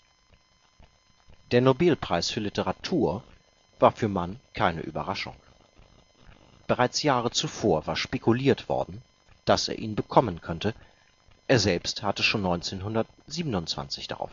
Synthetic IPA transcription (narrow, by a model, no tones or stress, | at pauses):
d̥eːɐnobɛlpʁ̥aɪsfyːɐlɪtəʁatʰuːɐ | vaːɐfyːɐmankʰaɪnə̰ʔy̰bɐʁaʃʊ̰ŋ | b̥əʁaɪt͡sjaːʁət͡sufoːɐvaːɐʃpekuliːɐtv̥ɔ̰ɐdn̩ | d̥asḛːɐʔiːnbəkʰɔmənkʰœntə | ʔeːɐzɛlpsthatəʃoːnːɔʏnt͡seːnɦʊndɐt̚ | z̥iːbənʊntt͡sv̥a̰nt͡sɪçd̥a̰ʁa̰ʊf